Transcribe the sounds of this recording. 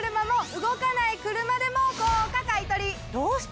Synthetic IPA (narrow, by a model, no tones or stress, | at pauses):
ɾɯ̟mamoɯɡokanaikɯɾɯmad̪e̞mokoːkakait̪oɾʲid̪oːs